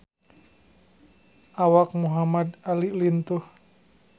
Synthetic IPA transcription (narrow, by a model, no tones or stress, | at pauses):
ʔawak̚muɦamad̪alilint̪uh